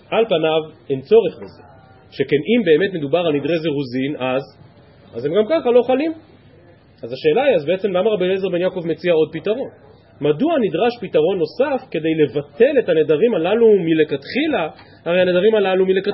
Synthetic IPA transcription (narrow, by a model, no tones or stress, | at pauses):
alpanavent͡so̞ʁeχbezḛ | ʃe̞ke̞nimbe̞ːme̞t̪me̞d̪ubaʁalmid̪ʁezeʁuzinaz | aze̞mɡamkaχalo̞χalim | azaʃe̞ːlaiazbe̞et͡se̞mlamaʁabinezeʁbe̞njako̞vme̞t͡siao̞d̚pitaʁo̞n | maduanid̪ʁaʃpitaʁo̞nːo̞safke̞d̪e̞jle̞vate̞le̞tane̞daʁimalalumile̞kat̪χilaː | ʁe̞jhane̞daʁimalalumile̞ka